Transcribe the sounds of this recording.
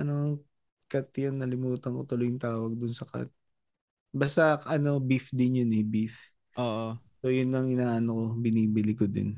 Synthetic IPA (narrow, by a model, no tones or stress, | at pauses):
ʔɐno | kɐt̪jonːɐlɪmuːt̪ɐnkot̪ʊlʊjɪŋt̪aːwɐɡ̚d̪ʊnsɐka̰t̪̚ | baːst̪ɐʔɐno̞bɪfd̪ɪnjʊnɛbif | ʔoːʔo | so̞jʊnːɐŋʔɪnaːʔɐnoko̞bɪniːbɪlɪkod̪ɪ̰n